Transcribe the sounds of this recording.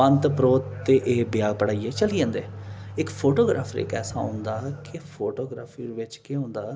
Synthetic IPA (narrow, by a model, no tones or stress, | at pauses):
ənt̪pɾoːt̪ːeːʔeːbɪjaːɡ̚pəɽaːiːɛːt͡ʃəliːãːnd̪eːɪkpʰoːʈoːɡɾa̰ːpʰɾɪ̰kɛːsã̰ːɦʊ̰̃nd̪aːkɪpʰoːʈoːɡɾaːpʰiːɾʋɪt͡ʃkeʊ̃ːnd̪aː